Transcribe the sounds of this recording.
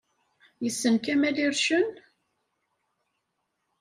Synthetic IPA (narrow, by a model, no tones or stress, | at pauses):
jəsːənkæmæliɾʃən